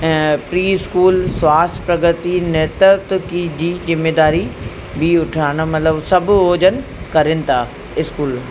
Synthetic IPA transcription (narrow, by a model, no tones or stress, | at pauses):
pɾiːɪskuːlswaːst̪ʰpɾɐɡət̪inɛːt̪ət̪kid͡ʑiːzɪmeːd̪aːɾi | bʱiʊʈʰaːɽ̃ə̆mɐt̪ləbsɐbʱʊoːd͡ʑənɪ̆kɐɾɪnɪ̆t̪ʰaː | ɪskuːl